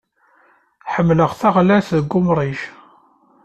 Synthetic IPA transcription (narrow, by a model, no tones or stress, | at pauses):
ħəmːləʁθaʁlæθðəɡːʊmɾˤiʃ